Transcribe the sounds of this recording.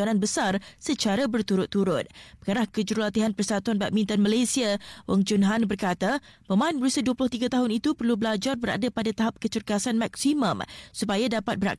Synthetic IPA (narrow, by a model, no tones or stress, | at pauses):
anãnbəsarsət͡ʃaɾabərt̪uɾʊt̪ːuɾʊt̪̚bəŋaɾahkəd͡ʒuɾulat̪iɦanpərsat̪uanbaʔ̚mĩnt̪anmalasiawɔŋd͡ʒunɦanbərkat̪apəmãinbəɾusaduəplʊht̪iɡat̪aɦʊnit̪upərlubəlad͡ʒarbəɾa̰dapadat̪aɦap̚kət͡ʃurkasanmak̚simə̃msupajadapat̪̚bəɾa̰k̚